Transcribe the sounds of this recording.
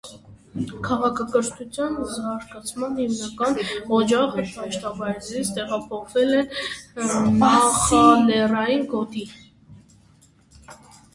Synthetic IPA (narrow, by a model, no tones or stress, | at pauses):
kʰɑʁɑkʰɑkəɾt̪ʰut͡sʰjɑnzɑɾɡɑt͡sʰmɑnhimnɑkɑnɔd͡ʒɑʁəɑʃt̪ɑvɑjɾzit͡sʰt̪ɛʁɑpʰɔχvɛlɛn | nɑχɑnɛrɑjinɡɔt̪i